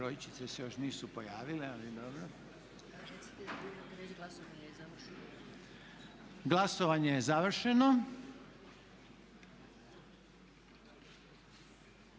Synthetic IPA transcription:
ɾojit͡ʃi̥t̪sesejo̞ʃniːsupo̞jaːʋilealid̪obɾo | ɾesi̥t̪eiok̪ɾeɡlasoʋaɲejezaʋr̩ʃeno | ɡlˠasoʋaɲejezaʋr̩ʃeno

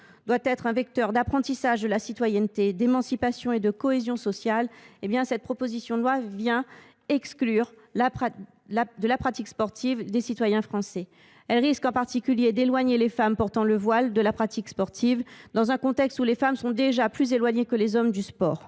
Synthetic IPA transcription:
d̪wat̪ɛt̪χɛ̃vɛk̚t̪œʁd̪apχɑ̃t̪isaʒd̪əlasit̪wajɛnt̪ed̪emɑ̃sipasjɔ̃ed̪əkɔezjɔ̃sɔsjalebjɛ̃sɛt̪̚pχɔpozisjɔ̃d̪lwavjɛ̃ | ɛksklyʁ | lap | ad̪əlapχat̪ikspɔʁt̪ivd̪esit̪wajɛ̃fχɑ̃sɛ | ɛlʁiskɑ̃paʁt̪ikʲyljed̪elwaɲelefampɔʁt̪ɑ̃ləvwald̪əlapχat̪ikspɔʁt̪ʰivd̪ɑ̃zɛ̃kɔ̃t̪ɛkst̪ulefamsɔ̃d̪eʒaplyzelwaɲekəlezɔmd̪yspɔːʁ

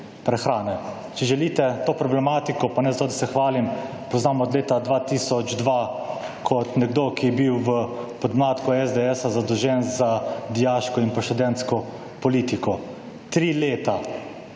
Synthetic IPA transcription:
pɾɛxɾaːnɛ | t͡ʃɛʒɛliːt̪ɛt̪oːpɾɔblɛmaːt̪ikɔpanɛzat̪oːd̪asɛxʋaːlim | pɔznaːmɔːd̪leːt̪ad̪ʋaːt̪iːsɔd͡ʒd̪ʋa | kʰɔt̪nɛɡd̪oːkijɛbiwʋəpɔd̪mlaːt̪kɔɛzd̪ɛɛsazad̪ɔwʒɛnzad̪ijaːʃkɔinpaʃt̪ud̪ɛnskɔ | pɔliːt̪ikɔ | t̪ɾileːt̪a

